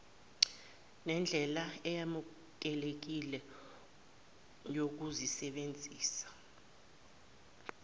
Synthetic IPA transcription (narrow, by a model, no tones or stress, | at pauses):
nɛnd͡ɮʱɛlaɛjamu | k̬ɛlek̬ilɛ | jok̬uzisɛɓend͡zʱiːsḁ